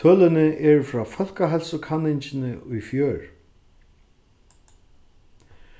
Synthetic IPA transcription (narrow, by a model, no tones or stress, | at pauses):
t̪ʰœːlɪnɪʔɛɹfɾaːfɔl̥kaɦɛlsʊkʰanːɪɲt͡ɕɪnɪujfjœːɹ